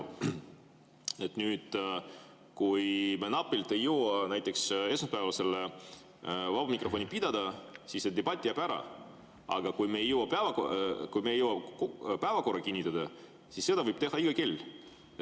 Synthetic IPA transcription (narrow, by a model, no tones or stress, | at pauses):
e̞t̪nyːd̪̥ | kujmenɑpːilt̪e̞jːowɑnæjt̪ːˑe̞kse̞smɑspæːvɑse̞le | vɑb̥ɑmikro̞fo̞nʲipid̪̥ɑd̪̥ɑsisːed̪eb̥ɑt̪ʲːˑijɑpæɾɑ̰ | ɑ̰ɡɑkujmeejːowɑpævɑkkujmeejːowɑpæːvɑko̞rːɑkinʲːit̪ˑːɑd̪ɑ | sisːe̞d̪̥ɑvɯjb̥̚t̪e̞hɑiɡ̥ɑke̞lʲː